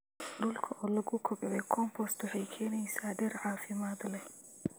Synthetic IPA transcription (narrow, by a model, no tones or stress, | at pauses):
ɖʊlkʰɐʔɔːlɐɣʊkʰɔɡðɛkʰɔmpʰɔst̪ʰʊħɛjkʰɛːnɛjsaːɖɛrʕɑːfɪmaːd̪lɛ